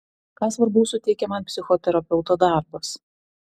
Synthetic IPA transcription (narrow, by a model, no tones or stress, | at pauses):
kɑːsʋɐɾbuʊsʊt̪ʲɛɪkʲɛmɐnpʲsʲɪxɔt̪ʲɛɾɐpʲɛʊt̪oːd̪ɑˑɾbɐs